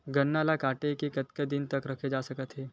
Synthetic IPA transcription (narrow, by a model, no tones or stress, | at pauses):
ɡɐnːalakaːʈekekɐt̪ked̪ɪnt̪əkɾɐkʰed͡ʒaːsɐkət̪ɦeː